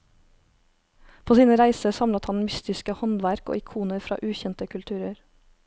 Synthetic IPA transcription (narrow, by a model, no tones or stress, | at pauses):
pʰoːsiːnəɾæɪsəsɑmlət̪hɑnmʏst̪ɪskəhɔnʋæɾko̰ːɪkʰuːnəɾfɾɑ̰ːʔʉːçɛnt̪əkʰʉlt̪ʰʉːɾəɾ